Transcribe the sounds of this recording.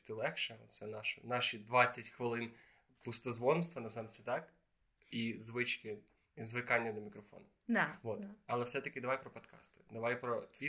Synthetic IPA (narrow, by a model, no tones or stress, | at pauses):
t̪ɪlˠɛkʃɛɔsɛnɑʃɐnɑʃid̪ʋɑt͡sʲːɐtʲxʋɪlˠɪn | pʊst̪ɐzʋɔnst̪ʋɐnɐzɑmsɛt̪ɑk | izʋɪt͡ʃkɪ | zʋɪkɑnʲːɐd̪ɔmʲikɾɔfɔ̰nʊʋot̪ɐlˠɛfsɛt̪ɐkɪd̪ɐʋɑjpɾɔpɔd̪kɑ̰st̪ɪ̥d̪ɐʋɑjpɾɔt̪ʲʋʲi